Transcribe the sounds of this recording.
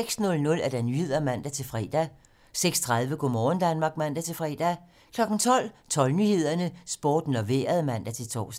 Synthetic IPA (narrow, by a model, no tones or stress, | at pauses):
eɡ̥snɔ̽lnɔ̽læɐd̥ænyhe̝ð̰ˠɐmæn̰d̥æt͡sʰe̝lfʁɛ̰ːd̥æ | seɡ̥st͡sʰʁɑ̈ð̞ˠʋəɡ̥ɔmɒːn̩d̥ænmɑ̈ːɡ̥̚mæn̰d̥æt͡sʰe̝lfʁɛːd̥æ | kʰlɒ̽ɡ̥n̩t͡sʰɒ̽l̰t͡sʰɒ̽lnyhe̝ð̞̰ˠɐnəsb̥o̝ːd̥n̩ɒʋeːɐð̞ˠmæn̰d̥æt͡sʰe̝lt͡sʰɒ̰ːs